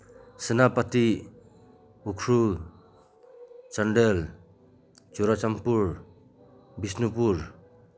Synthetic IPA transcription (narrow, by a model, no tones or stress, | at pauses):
sɯnapati | ukʰɾu | t͡ʃanɖel | t͡ʃuɾat͡ʃampuɾ | bisnupuɾ